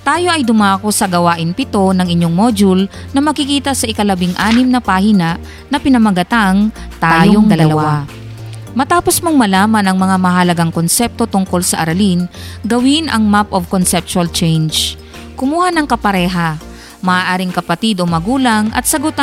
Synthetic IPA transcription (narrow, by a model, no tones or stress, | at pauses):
t̪aːjo̞ʔɐjd̪ʊmaːko̞sɐɡɐwaːʔɪnpɪt̪o̞nɐŋɪɲːoŋmoːd͡ʒʊl | nɐmɐɡ̚kɪkiːt̪ɐsɐʔɪkɐlɐbɪŋʔaːnɪmnɐpahinaʔ | nɐpɪnɐmɐɡɐt̪aŋt̪ajjooŋd̪ɐlɐlɐwaa | mɐt̪aːpo̞smoŋmɐlaːmɐnɐŋmɐŋamɐɦɐlɐɡaŋkonsɛp̚t̪o̞t̪ʊŋko̞lsɐʔɐɾɐlinɡɐwɪnʔɐ̰ŋmapʔovkonsɛp̚t͡ʃʊɐlt͡ʃɛjnd͡ʒ | kʊmuːhanɐŋkɐpɐɾɛːɦa | mɐʔaːʔaːɾɪŋkɐpɐt̪ɪd̪ʔo̞mɐɡuːlɐŋʔɐ̰t̪̚sɐɡʊt̪a